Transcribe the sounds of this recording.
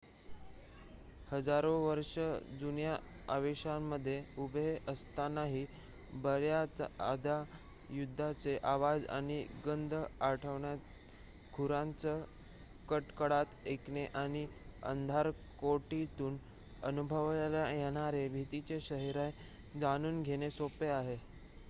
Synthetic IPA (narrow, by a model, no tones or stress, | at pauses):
həd͡zaɾoʋəɾʂəd͡zunja | aʋeɕamːəd̪ʱːjeubʱeʔəst̪anaɦiː | bəɾjat͡sa̰d̪ʱa | jud̪ʱːat͡seʔaʋad͡za̰ɽ̃iɡənd̪ʱəaɾʈʰəʋɳjat̪ | ɡʱuɾãnt͡sə | kəʈkəɽat̪ekɳeʔaɽ̃iə̰nd̪ʱaɾ | koʈit̪uːn | ənubʱəʋlajeɽ̃aɾebʱit̪it͡ɕeɕəɦiɾaj | d͡zañuːnɡʱeɽ̃esopeaɦe